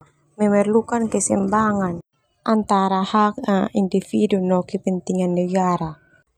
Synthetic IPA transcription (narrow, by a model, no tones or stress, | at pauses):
mɛmɛrlukankɛsɛmbaŋan | ʔant̪aɾahak̚aindifidunɔkɛpɛnt̪iŋanːɛɡaɾa